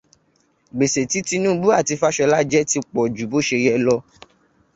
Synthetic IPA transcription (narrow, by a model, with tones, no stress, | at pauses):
ɡ͡be˨se˨ti˨˦ti˦nũ˦bu˦a˦˨ti˧fa˦ʃɔ˧la˦d͡ʒɛ˦ti˧k͡pɔ˨d͡ʒu˨bo˨˦ʃe˧jɛ˧lɔ˦